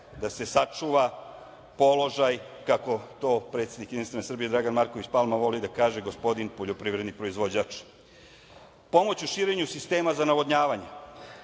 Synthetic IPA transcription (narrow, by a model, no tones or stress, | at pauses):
d̪ase̞sat͡ʂuːʋa | po̞lo̞ʒaj | kako̞t̪o̞ːpɾet̪sʲed̪ikjed̪inst̪ʋenesr̩bije̞d̪ɾaɡanmaɾkoʋit͡ɕpalˠmaʋo̞lid̪akaːʒe̞ɡo̞spo̞d̪inpo̞ʎo̞pɾiːʋɾe̞d̪nipɾoizʋo̞d͡ʑat͡ʃ | po̞mo̞t͡ɕuʃiːɾe̞ɲusist̪e̞ːmazanaʋo̞d̪ɲaːʋaɲe